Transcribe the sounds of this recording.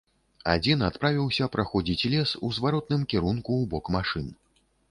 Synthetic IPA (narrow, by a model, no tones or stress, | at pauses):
a̰d͡zʲinat̪pɾavʲiwsʲɐpɾʔaxɔd͡zʲit͡sʲlʲɛsuzvaɾɔt̪̚nɨmkʲɛɾunkuːbɔkmaʂɨn